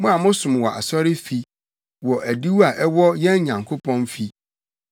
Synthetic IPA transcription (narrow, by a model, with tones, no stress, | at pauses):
mʊ̃˦a˨mʊ̃˦sʊ̃˨m˨wɔ˨ʔa̰˨sɔ˦ɾɪ˦fi˨ | wɔ˨ʔæ˨di˦wu˦a˨ʔɛ˦wɔ˦jɛ̃˦n˦ɲã˨ŋkʰo˦pʰɔ̃˦nfi˦